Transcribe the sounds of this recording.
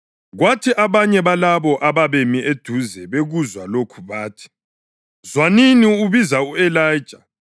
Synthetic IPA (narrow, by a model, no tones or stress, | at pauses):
ɣwatʰiʔaβaɲɛβalaβɔʔaβaβemiʔed̥ʱuzɛβeɣuzwalokʰuβaːtʰi̥ | zwaniniuβizauɛlajd̥ʒ̥ʱa